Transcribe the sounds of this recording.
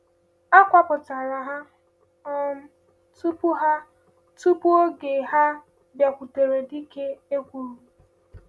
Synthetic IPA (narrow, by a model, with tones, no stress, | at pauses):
a˦kʷa˨pʊ˨ta˨ɾa˨ɦa˦ | ɔ˦ | tu˦pu˦ɦa˦ | tu˦pu˦o˦ɡe˨ɦa˦ | bja˨kʷu˨to˨ɾe˨di˦ke˦e˦kʷu˨ɾu˨